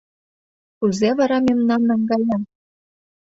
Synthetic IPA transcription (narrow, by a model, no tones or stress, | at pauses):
kuzeβɑɾɑmemnɑnːɑŋɡɑjɑ